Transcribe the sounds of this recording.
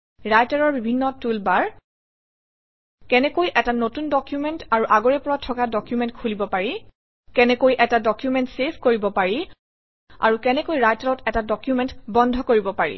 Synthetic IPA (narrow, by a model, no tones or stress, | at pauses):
ɹajtaɹɔɹbibʱinːɔtulbaɹ | kɛnɛkojʔɛtanotundɔkjumɛntaɹuʔaɡɔɹɛpɔɹatʰːɔkadɔkjumɛntkʰulibɔpaɹi | kɛnɛkojʔɛtadɔkjumɛntsepʰkoɹibɔpaɹi | a̰ɹukɛnɛkojɹajtaɹɔtɛtadɔkjumɛntbɔndʱɔkoɹibɔpaɹḭ